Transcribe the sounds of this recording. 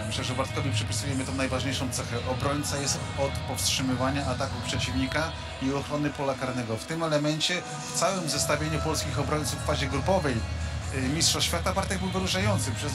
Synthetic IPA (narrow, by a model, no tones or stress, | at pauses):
mɘɕlɛʐɛvaɾt̪kɔvʲipʂɛpʲisujɛmɘt̪ɔ̃w̃najvaʐɲejʂɔ̃w̃t̪sɛxɛʔɔbɾɔɲt̪sajɛst̪ɔt̪pɔfstʂɘmɘvaɲaʔat̪akupʂɛt͡ɕivɲika | iɔxɾɔnɘpɔlakaɾnɛɡɔft̪ɘmɛlɛmɛnt͡ɕɛ | ft̪sawɛmzɛst̪avʲjeɲupɔlskʲixɔbɾɔɲʲt̪sufːaʑɛɡɾupɔvɛjmʲistʂɔɕfʲjat̪avaɾt̪ɛɡbɘwvɘɾuʂajɔnt̪sɘpʂɛ